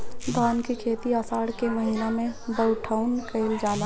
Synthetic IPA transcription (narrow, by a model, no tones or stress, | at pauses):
d̪aːnkikʰeːt̪iasaːɽkeməɦinamẽbəʈʰaʊnkəɪld͡ʒaːla